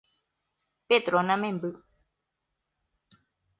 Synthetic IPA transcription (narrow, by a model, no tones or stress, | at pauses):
ped̪ɾonãmẽmbɨ